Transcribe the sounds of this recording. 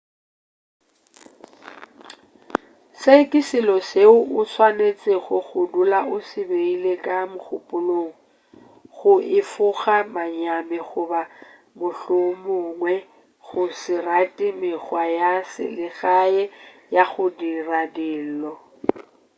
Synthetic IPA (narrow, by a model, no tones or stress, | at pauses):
sekʼɪsɪlɔseʊʔʊsʰwanet͡sʼɪɣʊɣʊdulaʊsɪbeilekʼamʊχʊpʼʊloːŋ̩ | ɣʊʔɪfʊɣamaɲamɪɣʊba | mʊɬʊmʊŋwɛ | ɣʊsɪratʼimɪχwajasɪ̰lɪɣaɛ | jaɣʊdiradɪːl̩lɔ